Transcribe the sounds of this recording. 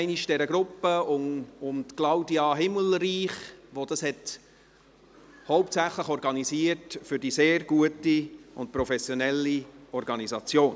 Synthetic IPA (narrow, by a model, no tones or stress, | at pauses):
ɪniʃd̥ɛɾəɡɾʊpːəʊmʊmt̪klɑʊdiɑɦɪməl̩ɾiːχʋod̥ɑshɛt | hɔʊptsæχləχɔɾɡɑnisiətfʏɾdiseːrɡ̥uətiʊntpɾɔfɛsjonɛlːiɔɾɡɑnizɑt͡sjoːn